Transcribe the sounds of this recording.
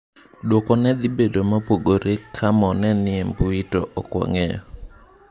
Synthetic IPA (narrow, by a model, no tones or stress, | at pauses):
dwokɔnɛd̪ɪbedomapoɡoɾʔekʰamɔnɛnɪɛmpuitoʔɔkwɔ̰ŋejɔ